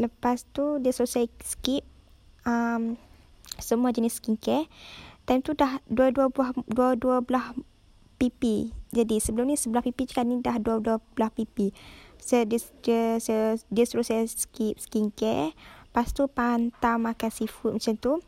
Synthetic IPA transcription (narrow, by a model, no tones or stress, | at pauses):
ləpast̪udiəsuɾusajsə̥kip̚ | əm | səmuad͡ʒəniskiŋkɛt̪ajmt̪udahduaduaahduaduəblah | pipid͡ʒadisəbəlumnisəbəlahpipid͡ʒəkanidahduəluəblahpipisədidəsədiəst̪uɾusajskip̚sə̥kiŋkɛpast̪upant̪amakansifut̪̚mat͡ʃamt̪u